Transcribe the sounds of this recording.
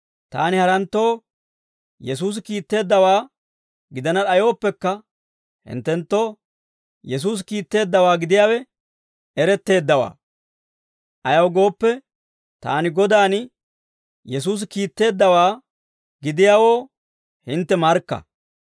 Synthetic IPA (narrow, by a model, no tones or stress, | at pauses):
t̪a̰ːnɪhɐɾɐnt̪ːo̞ː | jɛs̬uːs̬kiːt̪ːe̞ːd̪ːɐwaː | ɡɪd̪ɐnɐɗɐjo̞ːpːɛkːɐ | hɪ̰nt̪ːɛnt̪ːo̞ː | jɛs̬uːs̬kiːt̪ːe̞ːd̪ːɐwaːɡɪd̪ɪjaːwɛ | ʔɛɾɛt̪ːe̞ːd̪ːɐwa̰ː | ʔɐjɐwɡo̞ːpːɛ | t̪a̰ːnɪɡɔd̪aːn | jɛs̬uːs̬kiːt̪ːe̞ːd̪ːɐwaː | ɡɪd̪ɪjaːwo̞ː | hɪnt̪ːɛmɐɾkːɐ̰